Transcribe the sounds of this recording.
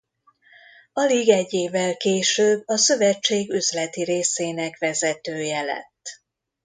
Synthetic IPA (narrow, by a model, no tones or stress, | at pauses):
ɒliɡɛɟːeːvːɛlkeːʃøːbːɒsø̞vɛt͡ʃːeːɡyzlɛt̪iɾeːseːnɛkvɛzɛt̪øːjɛlɛ̰t̪ː